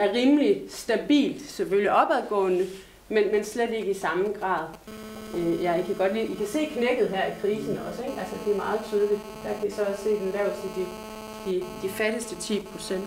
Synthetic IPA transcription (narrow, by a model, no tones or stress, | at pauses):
æɐʁiːmlisd̥æb̥ḭːld̥seføljiʔɒ̽b̥æðˠɡ̥ɔ̰̽ːnə | menmensled̥e̝ɡ̥əisɑ̈mɡ̥ʁɑ̰̈ːð̞̩ˠ | øjæikʰæɡ̥ɒ̽d̥liːikʰæse̝̰ːkʰneɡ̥ð̞̩ˠɦæɐ̰ikʰʁiːsn̩ɒ̽seɡ̥ælsəd̥e̝æmɑ̈ːð̞̩ˠt͡sʰyːðˠəlid̥ | d̥æ̈kʰæisɒ̽ɒ̽sse̝̰ːdenl̥æɐʊsid̥i | d̥id̥ifæɾ̥əsd̥ət͡sʰḭːpʰʁo̝sen̰d̥